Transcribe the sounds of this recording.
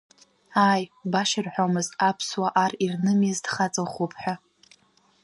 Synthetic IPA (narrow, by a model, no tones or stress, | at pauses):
aːjbaʃɪrħʷᶣomɨzapʰswaʔarirnɨmɪzdχat͡sʼoχʷupʼʰħʷᶣa